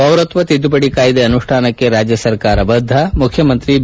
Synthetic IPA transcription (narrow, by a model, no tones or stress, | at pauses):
ɐwɾɐt̪ʋɐt̪id̪ːupɐɽikaːjid̪eɐnuʂʈʰaːnɐkːeɾaːd͡ʒjɐsɐɾkaːɾɐbɐd̪ʱːɐmukʰjɐmɐnt̪ɾi